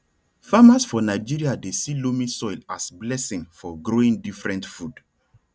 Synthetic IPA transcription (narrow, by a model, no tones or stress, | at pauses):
famasfɔnaɪd͡ʒiɾiadesilomĩsɔɪlasblɛsĩŋfɔɡɹoĩŋdifɹɛ̃ntfud̥